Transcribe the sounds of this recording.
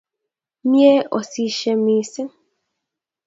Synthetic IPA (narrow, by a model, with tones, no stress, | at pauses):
mje˦ʔo˨si˦ʃɛ˦miː˨˦sɛ˦